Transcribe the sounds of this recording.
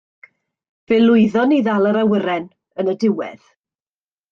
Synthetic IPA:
v̥ɛlʊɨðɔniðalˠəɾawəɾɛn | ənədɪwɛ̰ð̥

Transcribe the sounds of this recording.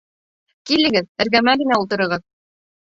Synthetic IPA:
kilɘ̆ɡɘðɘ̆ɾɡæmæɡɘ̆næulˠt̪ɤ̆ɾɤ̆ɾʁɤð

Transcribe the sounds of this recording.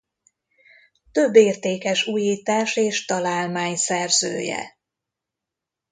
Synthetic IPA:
t̪øbːeːrt̪eːkɛʃuːjiːt̪aːʃeːʃt̪ɒlaːlmaːɲsɛrzø̰ːjɛ̰

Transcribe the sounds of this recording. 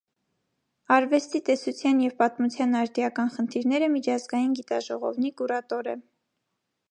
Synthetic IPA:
ɑɾvɛst̪it̪ɛsut͡sʰjɑnjɛvpɑt̪mut͡sʰjɑnɑɾd̪jɑkɑnχənt̪ʰiɾnɛɾəmit͡ʃʰɑzɡɑjinɡit̪ɑʒɔʁɔ̰vnikuɾɑt̪ɔɾə̰

